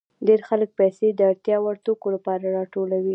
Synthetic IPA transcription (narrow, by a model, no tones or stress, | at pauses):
ɖeɾxalək̚pajsed̪əaɽt̪jɑwaɾt̪okolapɑɾaɾɑʈolawi